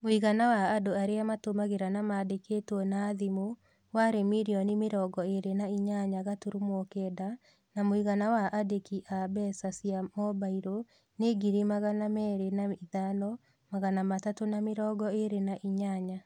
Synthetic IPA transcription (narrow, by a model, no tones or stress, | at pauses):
moiɣanawaːdoaɾeamatomaɣeɾanamaːdeketwɔnaːðimo | waɾemiɾiɔnimeɾɔːɡɔeɾenaiɲaɲaɣatuɾumɔkɛda | namoiɣanawaʔadekiʔabɛsasiamɔbaiɾo | neɡiɾemaɣanamɛːɾenaiðanɔ | maɣanamatatonameɾɔːɡɔeɾenaʔiɲaɲa